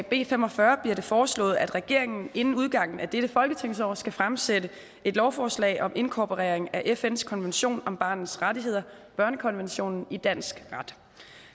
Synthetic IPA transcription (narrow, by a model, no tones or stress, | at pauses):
b̥e̝̰ːfemɒfɶɐb̥liɐɾ̥e̝fɒːslɔ̰̽ːð̞̩ˠæd̥ʁɛɡ̥e̝ɐe̝ŋn̩e̝nn̩uð̞ˠɡ̥ɑ̈ŋ̰n̩æd̥eɾ̥əfɒ̽lɡ̥ət͡sʰeŋ̰sɒ̰ːsɡ̥æfʁamsedə | e̝d̥lɒʊfɒːslɛ̰ɪʔɒ̽me̝nkʰɒːpʰoʁɛ̰ːɐeŋæʔefenskʰɒ̽nʋenɕo̝̰ːnɒ̽mb̥ɑ̰̈ːnn̩ˠsʁadiɦe̝ð̞̰ˠɐ | b̥ɶɐnəkʰɒ̽nʋenɕo̝̰ːnn̩id̥æn̰sɡ̥ʁɑd̥